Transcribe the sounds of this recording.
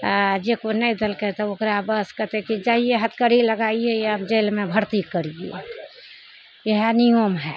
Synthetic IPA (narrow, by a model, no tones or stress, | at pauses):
d͡ʒekonəĩd̪elket̪ɔokɾabəskət̪ekid͡ʒaːieɦət̪ʰkəɾiləɡaieəbd͡ʒeːlmẽbʱəɾt̪ikəɾiḛ | jeɦenijomɦɛ